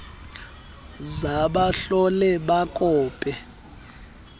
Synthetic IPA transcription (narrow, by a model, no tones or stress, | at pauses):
zaɓaɬɔlɛɓakʼɔːpʼɛ